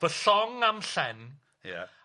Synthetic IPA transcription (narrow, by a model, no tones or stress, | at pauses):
v̥əɬɔŋamɬɛn | ja̰